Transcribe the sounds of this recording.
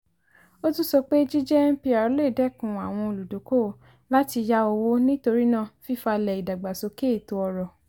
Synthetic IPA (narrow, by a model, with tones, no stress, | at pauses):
o˦tũ˦sɔ˧k͡pe˦d͡ʒi˦d͡ʒɛ˦n̩˦pi˧a˨ɾle˦˨dɛ˦kũ˨a˨w̃ɔ̃˧o˧˨lu˨do˨˦ko˦˨ | la˦ti˧ja˦o˧wo˦nĩ˦to˧ɾi˦nãː˦˨fi˦fa˧lɛ˨i˨da˨ɡ͡ba˨so˨˧˦ke˦˨to˧ɔ˧ɾɔ˨